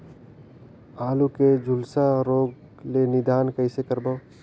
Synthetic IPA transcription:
aːluked͡ʒʱʊlsaɾoːɡ | lenɪd̪aːnkəɪsekəɾbəː

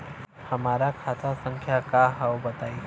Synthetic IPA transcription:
hɐmaːɾakʰaːt̪asə̃ŋkʰjakaɦəwbɐt̪aːi

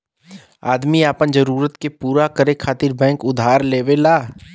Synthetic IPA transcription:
a̰ːd̪miaːpənd͡ʒəɾuːɾət̪kepuːɾakəɾekʰaːt̪iɾbɛ̃ːŋkʊd̪ʱaːɾleːʋelaː

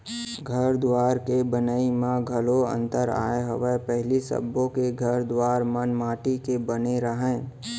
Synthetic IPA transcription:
ɡʱəɾd̪waːɾkebənaːimãɡʱəloə̰̃nt̪əɾa̰ːeɦə̰ʋepɛɦlisə̰bːõkeɡʱəɾd̪waːɾmənmaːʈikebəneɾəɦɛ̃ː

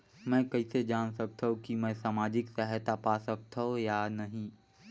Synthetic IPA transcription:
mɛ̃kɐised͡ʒaːɽ̃sɐk̚t̪ʰɐɦõkimɛ̃saːmaːd͡ʑɪksəɦt̪apasɐk̚t̪ʰɐɦojanɐɦĩ

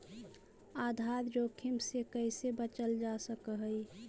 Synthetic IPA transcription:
ad̪ʱaɾɾoːkʰimsekəɪsebət͡ʃəld͡ʒasəkəɦəi

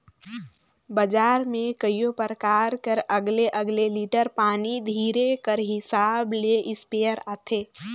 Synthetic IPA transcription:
bəd͡ʒaːɾmẽkəijopəɾəkaːɾkəɾəɡleʔəɡleliːʈəɾpaːnid̪ʱiːɾekəɾɦɪsaːbleʔɪspejəɾaːt̪ʰeː

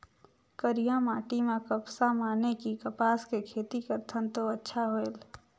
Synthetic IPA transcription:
kəɾijãmaːʈimẽkəpsamaːnekikəpaːskekʰeːt̪ikəɾt̪ʰənt̪oətːʃʰaɦoel

